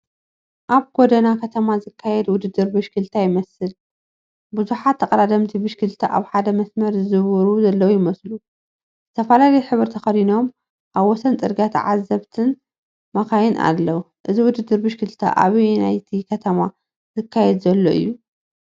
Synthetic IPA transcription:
ʔaβɡod̪ɐnakʰɐt̪ʰɐmazɨkʰːajɛd̪wʊd̪ɨd̪ːɨɾbɨʃkʰɨlt̪ʰajɪmɐsɨl | buzuħat̪ʰːɐkʼɐɾad̪ɐmt̪ʰibɨʃkʰɨlt̪ʰaʔa̰βħad̪ɐmɐsmɐɾzɨzɨβɨɾuzɐlːɐwujɪmɐslu | zɨt̪ʰɐfɐlalɐjħɨβɨɾt̪ʰɐxɐd̪ino̞m | ʔaβwɔsɐnt͡sʼɨɾɡat̪ʰʕa̰zːɐβt̪ʰɨn | makajɪnʔa̰lːɐw | ʔɨziwʊd̪ɨd̪ːɨɾbɨʃkɨlt̪ʰa̰ʔa̰βinajt̪ʰikʰɐt̪ʰɐma | zɨkʰːajɛd̪zɐlːoʔɨ̰jːu

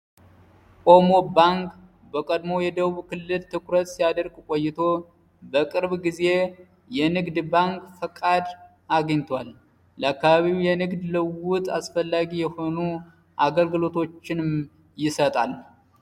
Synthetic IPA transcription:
kʼo̞mo̞baŋk | bəkʼəd̪mo̞jɛd̪əβuβkʰɨlːɨlt̪ʰɨkɾət̪sijad̪əɾɡkʼojːɪt̪ʰo̞ | bəkʼɨɾβɡize̞ | jɛnɨɡd̪baŋkfəkʼad̪ | aɡɲt̪ʰwal | ləakːaβaβijɛnɨɡd̪lɨwʊt̪ʰʼasfəlːaɡijɛho̞nu | ʔaɡəlɡɨlo̞t̪ʰo̞t͡ʃːɪnɨm | jɪsət̪ʼal

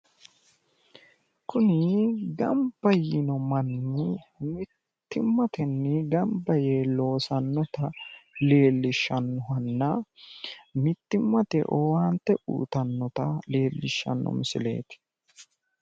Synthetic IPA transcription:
kʊnɪɡɐmb̥ɐjɪnɔmɐnːɪmɪt̪ːɪmːɐt̪ɛnːɪɡɐmbɐjelo̞ːsɐnːɔt̪ɐle̞ːlːɪʃːɐnːɔhɐnːɐ | mɪt̪ːɪmːɐt̪ɛ̰ʔɔwaːnt̪ːɛʔṵːt̪ɐnːɔt̪ɐle̞ːlːɪʃːɐ̰nːɔ̰mɪsɪle̞̰ːt̪ɪ̥

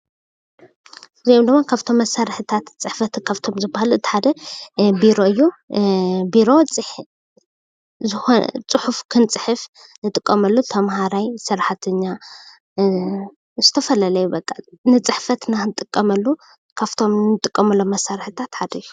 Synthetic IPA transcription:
ziomd̪ɨmːakʰaβt̪ʰo̞mːɐsaɾħɨt̪ʰat̪t͡sʼɨħfɐt̪kʰaβt̪ʰo̞mzɨbahalɨt̪ːħad̪ɐbiɾo̞ɨjːu | biɾo̞t͡sʼɨħ | zɨxot͡sʼɨħufkʰɨnt͡sʼɨħɨf | nɨt̪ʼɨkʼːɐmɐlːut̪ʰɐmhaɾajsɨɾħat̪ʰɨɲːa | zɨt̪ʰɐfɐlalɐjubɐkʼːanɨt͡sʼɨħfɐt̪naxɨnt̪ʼɨkʼːɐmɐlːu | kʰaβt̪ʰo̞mnɨt̪ʼɨkʼːɐmɐlːomːɐsːaɾħɨt̪ʰat̪ħad̪ɐju̥

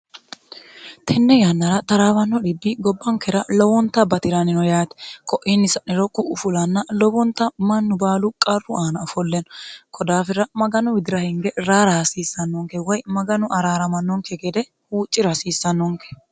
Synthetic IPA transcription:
t̪ʰɛnːɛjanːɐɾɐt̪ɐɾaːwɐnːɔᶑɪbːɪɡɔbːɐŋkɛɾɐlɔwɔnt̪ːɐbɐt̪ɪɾanɪnɔjaːt̪ɛ̥kɔʔɪnːɪsɐʔɪɾɔkʼːʊʔʊfʊlɐnːɐlɔwɔnt̪ːɐmɐnːʊbaːlʊkʼɐrːʊaːnɐfɔlːɛnɔkʰɔd̪aːfɪɾɐmɐɡɐnʊwɪd̪ɪɾɐhɪŋɡɛɾaːɾɐhɐsiːsːɐnːɔŋkɛwɔjmɐɡɐnʊʔɐɾaːɾɐmɐnːɔŋkɛɡɛd̪ɛ | huːt͡ʃʼːɪɾɐsiːsːɐnːɔŋkɛ̥

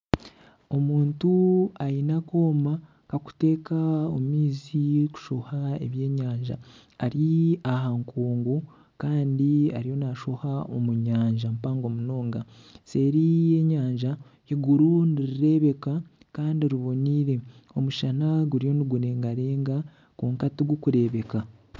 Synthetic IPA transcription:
o̞muːntuajinako̞ːma | kaku̥te̞ːkaomiːziku̥ʃo̞hae̞̰βje̞ːɲaːɲʒa̰ː | ɾiaɦaŋkʰoːŋɡu | kaːndia̰ɾijo̞naʃo̞haomuɲaːɲʒampaːŋɡo̞muno̞ːŋɡase̞ːɾije̞ɲaːɲʒa | iɡuɾuniɾiɾe̞βe̞ka | kaːndiɾiβo̞niɾe̞o̞muʃanaɡuɾijo̞niɡuɾe̞ːŋɡaɾe̞ːŋɡa | kuːŋkatiɡukuɾe̞ːβe̞ka

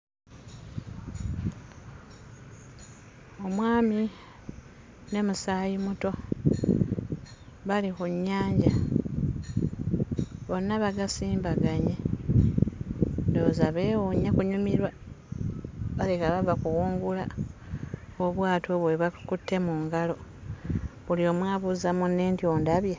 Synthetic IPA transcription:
o̞mwaːmi | ne̞musaːjimuto̞ | βalikuɲːaːɲɟa | βo̞nːaβaɡasiːmbaɡaɲe | ndo̞ːzaβe̞woɲːakuɲumiɾwa | βalekaβaβakuwuːŋɡula̰ | oβwaːtʰo̞βweβakutːe̞muŋɡalo̞ | βulio̞mwaːβuzamunːe̞ːntjo̞ːndaβje

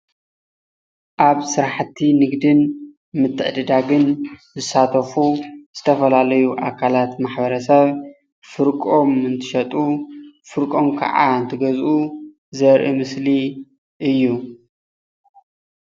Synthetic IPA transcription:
ʔaβsɨɾaħt̪ʰːinɨɡd̪ɨn | mɨt̪ʰːɨʕd̪ɨd̪aɡɨnzɨsat̪ʰɐfuz̥ɨt̪ʰɐfɐlalɐjuʔakʰalat̪maħbɐɾɐsɐβ | fɨɾkʼo̞mɨnt̪ʰɨ̥ʃɐt̪ʼufɨɾkʼo̞mkʰɐ̰ʕa̰ɨnt̪ʰɨɡɐzʔu | zɐɾʔimɨsli | ʔɨjːu

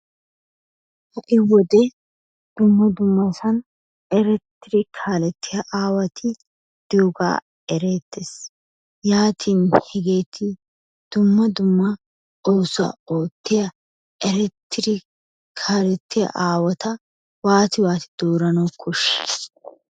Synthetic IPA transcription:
hɐʔɪwɔd̪ɛ | d̪̥ʊmːɐd̪ʊmːɐsɐn | ɛɾɛt̪ːɪɾɪkʰaːlɛt̪ʰːɪjɐʔaːwɐt̪ʰɪ | d̪̥ɪoɡa̰ː | ɛɾeːt̪ːes | jaːt̪ʰiːnhɛɡe̞ːt̪ʰɪ | d̪̥ʊmːɐd̪ʊmːɐ | ʔowsɐ̰oːt̪ːɪjɐ | ɛɾɛt̪ʰːɪɾɪ | kʰaːlɛt̪ːɪjɐ̰ʔaːwɐt̪ɐ | waːt̪ɪwaːt̪ɪ̥d̪̥o̞ːɾɐnɐwkʰɔʃːɪ

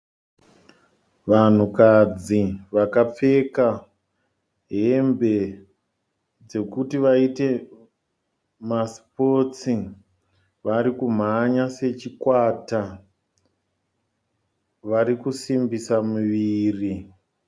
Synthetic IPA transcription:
ʋan̤ukad͡ziʋakap͡fe̞ka | ɦe̞mbe̞ | d͡ze̞kutiʋaite̞ | maspo̞t͡si | ʋaɾikum̤aɲase̞t͡ʃikwaːta | ʋaɾikusimbisamuʋiːri

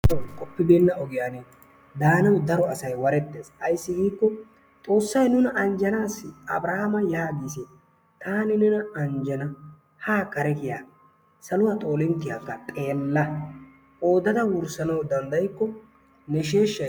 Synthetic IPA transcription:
kʼɔpːɪbeːnːɐɔɡɪjaːne | d̪aːnɐwd̪ɐɾɔɐsɐjwɐɾɛt̪ːe̞ːsɐjsːɪɡiːkːɔ | t̪ʼo̞ːsːɐjnʊnɐʔɐnd͡ʒɐnaːsɪɐ̰bɾɐhamɐjaːɡ̪iːsɛ | t̪aːnɪnɛnɐɐnd͡ʒɐnɐ | haːkɐɾɛkɪja̰ː | sɐlʊwaːt̪ʼo̞ːlɛnt̪ːɪjaːkːɐt̪ʼe̞ːlːɐ | o̞ːd̪ɐd̪ɐwʊɾsɐnɐwd̪ɐnd̪ɐjkːɔ | nɛʃe̞ːʃːɐ

